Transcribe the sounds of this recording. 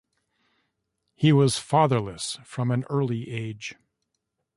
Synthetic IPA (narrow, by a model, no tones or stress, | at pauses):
hiwʌz̥fɑðə˞ləsfɹʌ̃mɨ̃nɜ˞lˠiʔeɪdd͡ʒʒ̥